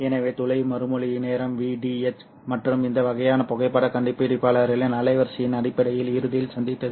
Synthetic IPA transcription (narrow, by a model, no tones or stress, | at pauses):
ɛnɐʋeːt̪ʊlɐɪmɐɾɯmɔɭɪneːɾɐmʋiːɖiːɛt͡ʃ | mɐʈrɯmɪnd̪ɐʋɐɣɐjaːnɐpɔɣɐɪpːɐɽɐkɐɳɖɪpːɽɪpːaːɭaːɾɪlenɐlɐɪʋɐɾsɐjɪnɐɽɪpːɐɽɐjɪlɪɾɯðɪjɪlsɐnd̪ɪt̪ːɐðɯ